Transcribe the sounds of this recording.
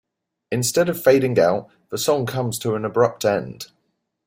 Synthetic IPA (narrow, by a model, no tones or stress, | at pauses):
ɪ̃nstɛdəv̥feɪɾɪ̃ŋa̰ʊʔ | ðəsɒ̃ŋkʰʌ̃mz̥tʰəə̃nəbɹʌp̚tʰɛ̃nd̥